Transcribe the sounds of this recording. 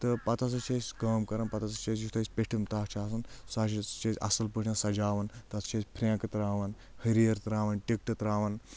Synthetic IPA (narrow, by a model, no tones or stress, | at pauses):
t̪ɨpɐt̪ɐs̬ɐt͡ʃesʲkɐːmkɐɾɐnpɐt̪ɐsɐt͡ʃɐːsjut̪ʰɐsʲpeʈʰimt̪aːt͡ʃʰaːsɐnsaːt͡ʃit͡ʃɐzʲɐ̰sɐlpɨʈʰnãnsɐd͡ʒaːʋɐnt̪ɐt̪t͡ʃʰɐːsʲpʰɾʲẽːkɐt̪ɾaːʋɐn | hɐɾijɐɾt̪ɾaːʋɐnʈik̚ʈɨt̪ɾaːʋɐn